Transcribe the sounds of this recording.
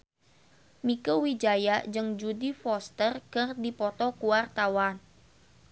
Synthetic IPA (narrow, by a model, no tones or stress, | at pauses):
mikəwid͡ʒajad͡ʒɨŋd͡ʒudifɔst̪ərkərdipɔt̪ɔkuwart̪awan